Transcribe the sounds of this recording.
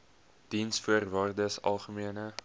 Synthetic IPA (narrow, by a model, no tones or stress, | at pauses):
d̥insfuərvaːrdəsɐ̰lˠχəmiənə